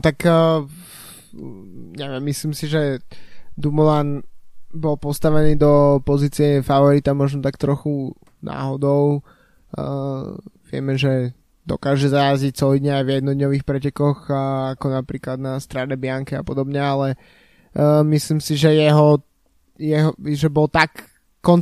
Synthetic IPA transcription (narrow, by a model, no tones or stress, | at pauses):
nɔt̪akː | ɲɛʋɪɛmːisliːmsiʒɛ | d̪umulanbɔlˠpɔst̪aʋɛniːd̪ɔpɔziːt͡siɛfaʋɔɾit̪amɔʒnɔt̪akt̪ɾɔxu | nʔa̰ːɦɔd̪ɔʊ | ʋɪɛ̰mɛʒɛ | d̪ɔ̰kaːʒɛzajazic̚t͡sɔd̪ɲɛajvjɛd̪̚nɔd̪ɲɔʋiːxpɾɛcɛkɔxakɔnapɾiːklad̪nast̪ɾanɛbɪaŋkɛapɔd̪ɔbɲɛalɛ | misliːmsiʒɛjɛɦɔ | jɛɦɔʒɛbɔlˠt̪akː | ɔn